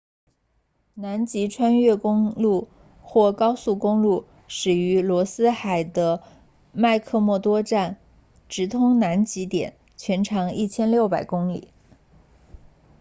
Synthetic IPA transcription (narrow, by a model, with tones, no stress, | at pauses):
na˧˥nt͡ɕi˧˥ʈ͡ʂʰwa˥nɥɛ˥˩kʊ˥ŋlu˥˧ | xwɔ˥˩kɑ˥ʊsu˥˩kʊ˥ŋlu˥˩ | ʂɻ̩˨˩y˧˥lwɔ˧˥sɹ̩˥xa˨˩ɪd̪ə˦ | ma˥˧ɪkʰɤ˥˧mwɔ˥˩t̪wɔ˥ʈ͡ʂa˥˩n | ʈ͡ʂɻ̩˧˥t̪ʰʊ˥ŋna˧˥nt͡ɕi˧˥t̪jɛ̰˨˩˦n | t͡ɕʰɥɛ˧˥nʈ͡ʂʰɑ˧˥ŋi˥˩t͡ɕʰjɛ˥nljo˥˩ʊpa˨˩ɪkʊ˥ŋlḭ˨˩˦